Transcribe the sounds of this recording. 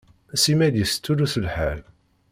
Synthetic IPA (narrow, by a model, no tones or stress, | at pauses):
simæd̪jəst͡sːuluθəlħæl